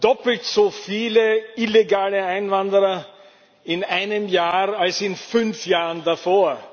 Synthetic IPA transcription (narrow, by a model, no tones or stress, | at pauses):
d̥ɔpl̩tz̥ofiːləɪleɡaːləãɪnvandəʁɐ | ɪnaɪnəmjaːalsɪnfʏnfjaːʁəndafoːɐ